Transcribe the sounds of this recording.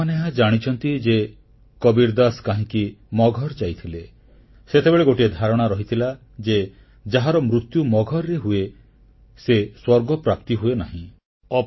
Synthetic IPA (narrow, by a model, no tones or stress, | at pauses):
aneɦad͡ʒaɽ̃it͡ʃʰɔnt̪id͡ʒe | kɔbiɾd̪askaɦĩkimɔɡʱɔɾd͡ʒajt̪ʰile | set̪ebeɭeɡoʈied̪ʱaɾɔɽ̃aɾɔɦit̪ʰila | d͡ʒe | d͡ʒaɦaɾɔmɾut̪jumɔɡʱɔɾːeɦue | seswɔɾɡɔpɾap̚t̪iɦuenaɦĩ | ɔ